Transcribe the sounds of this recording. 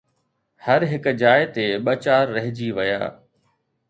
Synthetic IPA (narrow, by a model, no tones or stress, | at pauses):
hɐɾɦɪkd͡ʑaːɪt̪eɓɐt͡ɕaːɾːɐɦɪd͡ʑiʋɐja̰ː